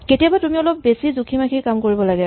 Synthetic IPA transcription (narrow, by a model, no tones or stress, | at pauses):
ketiabatumiɔlɔp̚besizukʰimakʰikamkoɹibɔlaɡɛ